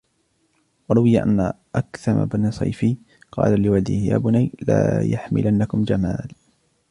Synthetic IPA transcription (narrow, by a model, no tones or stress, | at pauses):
wɑɾˤʊwɪjaʔanːa | ʔakθɑma̰bansˤɑ̰jfi | qɑ̰ːlalɪwad̪ɪhja̰ːbʊnajlaːjaħmɪ̰lʔanːakʊmd͡ʒamaːl